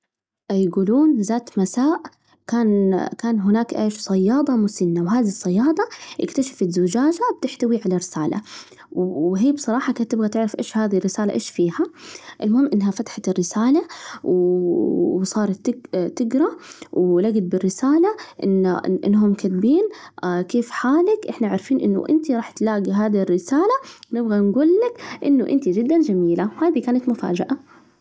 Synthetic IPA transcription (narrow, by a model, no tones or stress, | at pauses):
ʔjɪɡuːluːnzaːt̪masaːʔ | kaːnkaːnɦʊnaːkʔeːʃsˤɑjːɑːd̪ˤɑmʊsɪnːawɦaːðisˤːɑjːɑːd̪ˤɑʔɪ̰kt̪aʃḁfɪzʊd͡ʒaːd͡ʒab̥̚t̪ɪħt̪awiʕalaɾɪsaːla̰ | wɦiːbsˤɑɾˤɑːħɑkaːnt̪ɪbɣat̪ɪʕɾɪfʔeːʃhaːðirːɪsaːla̰ʔḛːʃfiːhaʔɪlmʊhɪmːʔɪnːɦafat̪ḁħat̪ɪrːɪsaːlaw | sˤɑːɾˤɑt̪ːɪt̪ːɪɡɾˤɑwlaɡɪd̪̚bɪrːɪsaːlaʔɪnːaʔɪ̰nːɦʊmkad̪biːnkeːfħaːlakʔɪħnaʕaɾˤfiːnʔɪnːʊ̰ʔɪ̰nt̪iɾˤɑːħt̪laːɡiɦaːðirːɪsaːlawnɪbɣanɡuːlːakʔɪnːʊʔɪnt̪id͡ʒɪd̪ːand͡ʒamiːlawhaːd̪ikaːnat̪mʊfa̰ːd͡ʒɪ̰ʔa